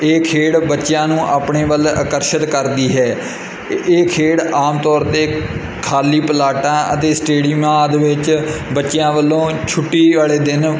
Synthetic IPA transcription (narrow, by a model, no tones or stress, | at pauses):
eːkʰeːɽbətːʃjãːnũːʔaːpɳeːʋələkəɾʃət̪kəɾd̪iːɦɛː | eːkʰeːɽaːmt̪ɔːɾt̪eː | kʰaːliːpəlaːʈãːʔə̰t̪eːsʈeːɽɪjmãːd̪ʋɪt͡ʃbətːʃjãːʋəlːõːt͡ʃʰʊʈːiːʋaːɭeːd̪ɪn